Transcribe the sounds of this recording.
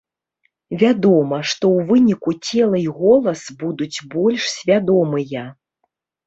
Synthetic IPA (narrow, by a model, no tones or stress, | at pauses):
vʲad̪ɔmɐʂt̪ɔwvɨnʲikut͡sʲɛlˠɐiɣɔlˠɐsbud̪ud͡zʲbɔlʲʂsʲvʲad̪ɔmɨjɐ